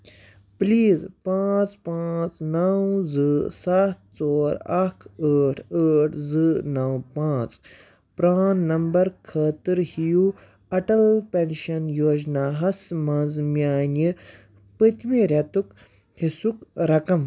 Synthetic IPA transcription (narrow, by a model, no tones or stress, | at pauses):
pliːzpãːt͡spãːt͡snɐwzɨsɐt̪̚t͡soːɾɐkʰəːʈʰəːʈʰzɨnɐwpãːt͡s | pɾaːnːɐmbɐɾkʰəːt̪ɨɾhiju | ɐʈɐlpenʃɐnjoːd͡ʒnaːɦɐsmɐnzmjaːnɨ | pɨt̪ʲmiɾʲɐt̪uk | hisukɾɐkɐm